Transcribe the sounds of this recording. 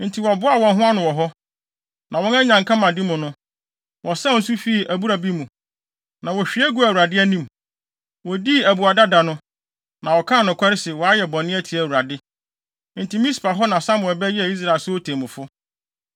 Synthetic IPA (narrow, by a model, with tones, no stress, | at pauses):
n̩˨tʰi˨wɔ˨bʊ˦a˨wɔ̃˨nɦʊ̃˦a˦nʊ̃˨wɔ˨ɦɔ˦ | nʔã˨wɔ̃˦nɛ˦ɲã˨ŋkʰã˦mã˨dɪ˦mʊ̃˨nʊ̃˦ | wʔɔ˨sã˦˨n̩˦su˦fi˦˨ʔæ˨bu˦ɾa˨bi˦mũ˨ | nã˨wɔ˨ɕᶣi˨˦æ˦ɡu˦æ˨wu˨a˨dɪ˦æ˦nĩ˦m | wɔ˨di˦æ˨bu˨a˨da˦da˨nʊ̃˦ | nã˨wɔ˨kʰã˦˨nʊ̃˨kʷʰa˦ɾɪ˦sɪ˨wɔ˨a˦jɛ˨bɔ̃˨nɪ̃˦æ˦tʰi˨æ˨wu˨ɾa˨dɪ˦ | n̩˨ti˨mĩ˦spʰa˨ɦɔ˦nã˨sã˦mʊ̃˨ɛ˨bɛ˦ji˦æ˨i˦s̬ɾa˨e˨lsʊ˦o˦tʰẽ˨mʊ̃˨fʊ˦